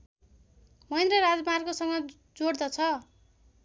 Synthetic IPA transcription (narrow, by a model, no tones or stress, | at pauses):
mʌjnrʌɾad͡zmarkosʌŋɡʌ | d͡zoɽd̪ʌt͡sʰʌ